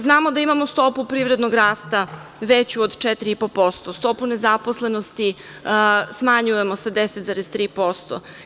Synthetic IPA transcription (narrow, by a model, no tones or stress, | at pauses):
znaːmo̞d̪aimamost̪o̞pupɾiːvɾe̞d̪noɡɾaːst̪aʋet͡ɕuod̪t͡ʃɛt̪ɾiipopost̪ost̪o̞punezaposle̞no̞st̪i | smaɲuje̞mo̞sad̪eset̪zaɾez̥t̪ɾiːpo̞st̪o̰